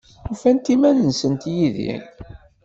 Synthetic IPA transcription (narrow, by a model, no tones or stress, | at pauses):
ufænt̪imænənsənt̪jiðḭ